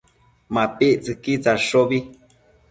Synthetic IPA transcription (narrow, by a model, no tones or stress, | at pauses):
mapiʔt͡sɨkit͡saʂoβi